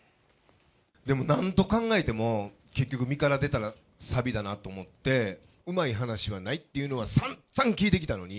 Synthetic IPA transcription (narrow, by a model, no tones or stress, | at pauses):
d̪e̞mo̞nãnt̪o̞kãŋɡae̞t̪e̞mo̞ | ke̞kʲːo̞kɯ̟mʲikaɾad̪e̞t̪aɾa | sabʲid̪anat̪ːo̞ːmo̞t̪ːe̞ | ɯ̟maiɦanaɕiβ̞anait̪ːe̞jɯ̟no̞β̞asãnsãŋkʲiːt̪e̞kʲi̥t̪ano̞ɲ̟i